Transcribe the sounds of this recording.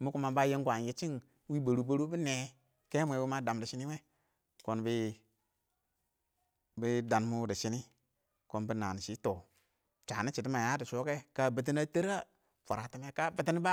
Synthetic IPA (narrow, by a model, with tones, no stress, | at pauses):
mu˦ku˦ma˨ba˦je˦ŋɡʷa˨nji˦t͡ʃi˦ŋ | wi˦ba˨ɾu˦bo˦ɾu˦bi˦ne˨ | ke˦mʷ˨e˨wu˦ma˦da˨mdi˨ʃi˦ni˦we˦ | ko˦nbi˦ | bi˦da˨nmu˦di˨ʃi˦ni˦ | ko˨nbi˦na˨n˨si˨˦to˨ | t͡ʃa˨ni˦t͡ʃi˨t̬i˦ma˨ja˦di˨ʃo˦ke˦ka˦˨bi˨t̬i˦na˦tə˦ɾa˦ | fa˨ɾa˨ti˨˦me˦ka˦bi˦ti˦ni˦ba˦